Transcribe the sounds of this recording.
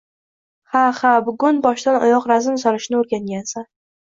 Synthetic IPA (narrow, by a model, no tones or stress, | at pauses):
hahabʊɡʊnbɒʃd̪anɒ̰jɒqɾazɪmsɒɾɪʃnɪoɾɡʲaŋɡʲansa